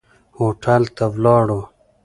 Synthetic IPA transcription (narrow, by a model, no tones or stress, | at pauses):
hoːʈʰalt̪awlɑːɽo